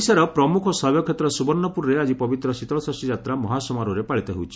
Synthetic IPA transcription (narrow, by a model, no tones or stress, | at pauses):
saɾɔpɾɔmukʰɔsɔbjɔkʰet̪ɾɔsubɔɾnːɔpuɾɾead͡ʒipɔbit̪ɾɔsit̪ɔɭɔsasid͡ʒat̪ɾamɔɦasɔmaɾuɾepaɭit̪ɔɦewt͡ʃʰi̥